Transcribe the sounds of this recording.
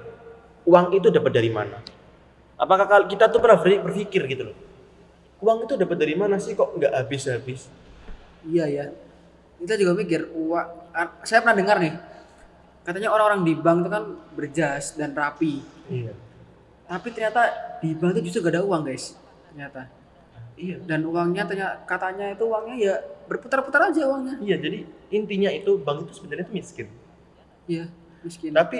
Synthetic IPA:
uwaŋit̪̬udapət̪̚daɾima̰na | ʔa̰pakakalkit̪at̪upərnaəɾibərfikɪrɡit̪ulɔ | uwaŋit̪udapət̪̚daɾimanasɪhkɔʔŋɡaʔɦabɪsɦabɪs | ijaja | kit̪ad͡ʒuɡamikɪruwaasajapənahdəŋərnɪh | kat̪aɲaoɾaŋoɾaŋdibaŋit̪̬ukanbərd͡ʒasdanrapiija | t̪apit̪ərɲat̪ad̥ibaŋit̪̬ud͡ʒust̪ɾuɡadauwaŋɡajs | t̪ərɲat̪a | idanuwaŋɲat̪ərɲakat̪aɲait̪uwaŋɲajabərput̪arput̪aɾad͡ʒauwaŋɲaijad͡ʒadiint̪iɲait̪ubaŋit̪u̥səbənalɲat̪umiskɪn | ija | miskɪnt̪api

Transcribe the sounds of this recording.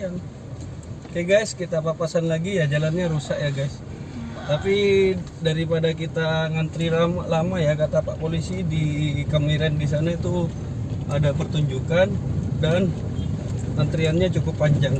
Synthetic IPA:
aŋ | kajɡajskit̪apapasanlaɡijad͡ʒalanɲaɾusaʔjaɡajs | t̪apidaɾipadakit̪aŋant̪ɾilamalamajakat̪apaʔpolisidikəmiɾɛndis̬anait̪u | adapərt̪uɲd͡ʒukandan | ŋant̪ɾianɲat͡ʃukʊpːaɲd͡ʒaŋ

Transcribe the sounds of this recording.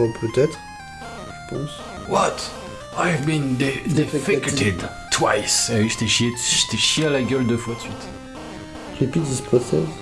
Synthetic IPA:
ɔ̃pʰøt̪ɛt̪χ | ʒəpɑ̃s | wʌt̪ | ajvbĩnded̪ɛfɛkt̪ɪd̪ | t̪ʰːwajseʒet̪ɛʃjet̪siʒet̪ɛʃjealaɡœld̪əfwat̪sɥit̪ | lipikispχɔsɛ̰d̪

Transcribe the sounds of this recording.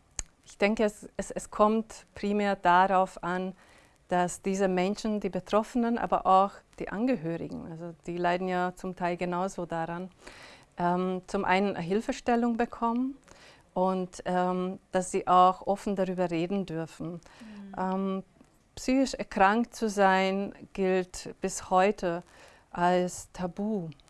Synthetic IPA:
ʔɪçd̥ɛŋkəsɛsɛskʰɔmtpʁ̥iːmeːɐd̥aʁaʊfʔan | d̥asd̥iːzəmɛnʃn̩diːbətʁ̥ɔfənənʔa̰ːbɐ̰ʔaʊxd̥ḭːʔanɡəɦøːʁɪ̰ɡŋ̩ʔalzod̥iːlaɪdn̩jaːt͡sʊmtʰaɪlɡənaʊzoːdaʁan | ʔɛːmt͡sʊmʔa̰ɪnənʔə̰ɦɪlfəʃtɛlʊŋbəkʰɔmən | ʔʊntʔɛmd̥asz̥iːʔaʊxʔɔfn̩daʁyːbɐʁeːdn̩dʏɐfn̩ʔɛm | psyːçɪʃɛɐkʁ̥aŋktt͡suzaɪnɡ̥ɪltb̥ɪshɔʏtʰə | ʔalstʰabuː

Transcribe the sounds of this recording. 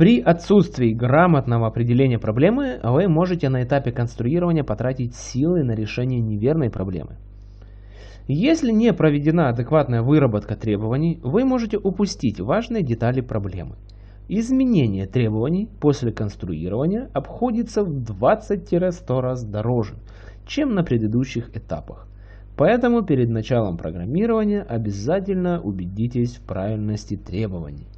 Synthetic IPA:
pɾʲɪʔɐt̪sut̪st̪vʲɪːɡramət̪nəvəɐpɾʲɪdʲɪlʲenʲɪjəpɾɐblʲe̞mɨvɨmo̞ʐɨtʲɪnəɪt̪apʲɪkənst̪ɾʊiɾəvənʲɪjəpɐt̪ɾatʲɪtʲsʲilˠɨnəɾʲɪʂɛnʲɪjənʲɪvʲe̞rnəjpɾɐblʲḛmɨ̰ | jesʲlʲɪnʲepɾəvʲɪdʲɪnaɐd̪ɨkvat̪nəjəvɨɾəbət̪kət̪ɾʲe̞bəvənʲɪjvɨmo̞ʐɨtʲɪʔʊpʊsʲtʲitʲvaʐnɨjədʲɪt̪alʲɪpɾɐblʲe̞̰mɨ | ɪzmʲɪnʲenʲɪjət̪ɾʲe̞bəvənʲɪjposʲlʲɪkənst̪ɾʊḭɾəvənʲɪjəʔɐpxo̞dʲɪt̪səvd̪vat̪sɨt̚ʲtʲːɪɾɛst̪oɾazd̪ɐɾo̞ʐɨn | t͡ɕemnəpɾʲɪd̪ɨd̪uɕːɪxɪt̪a̰pə̥x | pɐɛt̪əmʊpʲɪɾʲɪd̪nɐt͡ɕalˠəmpɾə̰ɡɾɐmʲiɾəvənʲɪjəʔɐbʲɪzatʲɪlʲnəʔʊbʲɪdʲitʲɪs̬ʲfpɾavʲɪlʲnəsʲtʲɪt̪ɾʲe̞bəvə̰nʲɪ̰j

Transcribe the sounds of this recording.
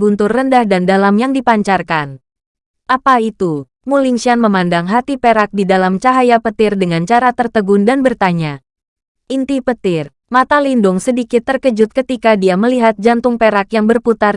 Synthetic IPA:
bunt̪ʊrːəndahdandalamjaŋdipaɲt͡ʃarkan | ʔapait̪u | muliŋsianməmandaŋɦat̪ipeɾak̚didalamt͡ʃaɦajapət̪ɪrdəŋant͡ʃaɾat̪ərt̪əɡundanbərt̪aɲa | ʔint̪ipət̪ɪr | mat̪alindʊŋsədikɪt̪ːərkəd͡ʒʊt̪̚kət̪ikadiaməliɦat̪̚d͡ʒant̪ʊŋpeɾakjaŋbərput̪ar

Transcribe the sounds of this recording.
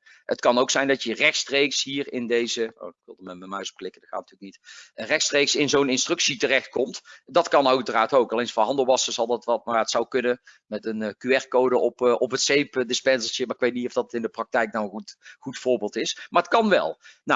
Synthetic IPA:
ə̰tkɑnowksɛjndɑtjərɛxtstrejksɦiːrɪndejzəo̰ɪkʋɪ̰lˠdəmɛmɛnmœɥsɔ̥p̚klɪkəndɑxa̰ːtnətyːlək̚nitrɛxtstrejksɪnzownɪnstrɵksitərɛxt̚kɔmtdɑtkɑnawtəraːɹtowkɑlejnsfɔɦɑndəlˠʋɑsəzɑlˠdɑtʋɑt̚maətsawkɵnəmɛtənkyɛrkowdəɔpʔɔpɦətsejpdɪspɛnzətəmaːɪkʋejt̚nitɔfdɑtɪndəprɑk̚tɛjk̚nawənutχutfʊːɹbɪːlˠtɪsmaːɹətkɑnʋɛ̰lˠna

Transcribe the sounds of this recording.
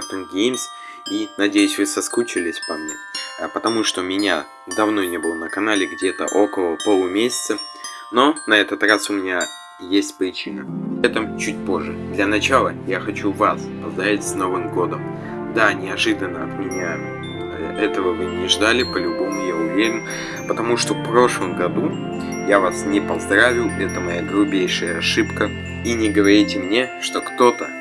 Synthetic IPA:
t̪ɨnɡʲejms | inɐdʲejʉsʲvɨsɐskut͡ɕɪlʲɪsʲpɐmnʲepət̪ɐmuʂt̪o̞mʲɪnʲa̰ | d̪ɐvno̞nʲe̞bɨlˠənəkɐn̪alʲɪɡdʲe̞t̪əʔo̞kəlˠəpo̞lˠʊmʲesʲɪ̥t̪sə | no̞nɐɛt̪ət̪rasʊmʲɪnʲa | jesʲtʲpɾʲɪt͡ɕinəɛt̪əmt͡ɕut̚ʲpo̞ʐːɨd̪lʲɐnɐt͡ɕalˠəjaxɐt͡ɕuvaspəzd̪ɾavʲɪtʲsʲno̞vɨmɡo̞d̪əm | d̪anʲɪɐʐɨd̪ənːəɐt̪mʲɪnʲa | ɛt̪əvəvɨnʲɪʐd̪alʲɪpəlʲʊbo̞mʊjaʊvʲeɾʲɪn | pət̪ɐmuʂt̪o̞fpɾo̞ʂlˠəmɡɐd̪u | javasnʲɪpɐzd̪ɾavʲɪlˠɛt̪əmɐjaɡɾʊbʲejʂɨjəɐʂɨpkə | inʲɪɡəvɐɾʲitʲɪmnʲe̞ʂt̪o̞kt̪o̞t̪ə

